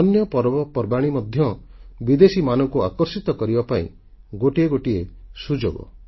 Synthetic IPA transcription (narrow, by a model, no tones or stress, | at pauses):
ɔnjɔpɔɾbɔpɔɾbaɽ̃imɔd̪ʱjɔbid̪esimanɔŋkua̰kɔɾsit̪ɔkɔɾibapaḭ̃ | ɡoʈieɡoʈiesud͡ʒoɡɔ̰